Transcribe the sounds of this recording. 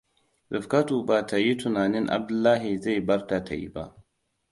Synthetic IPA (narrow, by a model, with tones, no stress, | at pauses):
ɗɪ˨fka˦tuː˨ba˨ta˨ji˦tʊ˨naː˨nɪ˦ŋʔa̰˨b̚dʊ˦lːaː˦ɦi˨za˦˨jbɐ˦rta˨ta˨jḭ˦ba̰˦ʔ